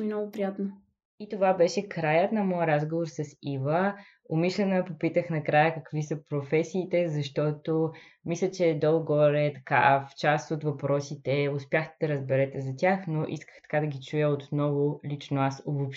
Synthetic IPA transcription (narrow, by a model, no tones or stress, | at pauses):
inɔɡʊpɾijat̪no | it̪ovabɛʃɛkɾajət̪nɐmɔjəɾazɡovoɾsɐsivə | omiʃlʲɛnəəpopit̪əxnɐkɾajəkɐkvisəpɾofɛsiːt̪ɛzɐʃt̪ɔt̪o | mislʲət͡ʃɛd̪ɔlˠɡɔɾɛt̪ɐ̥ka̰ft͡ʃast̪ot̪vɐpɾɔsit̪ɛʊspʲjaxd̪d̪ɐɾəzbɛɾɛt̪ɛzɐtʲaxnoʔḭskə̥xt̪ɐ̥kad̪ɐɡʲit͡ʃujəot̪nɔvolit͡ʃnoasovopʃ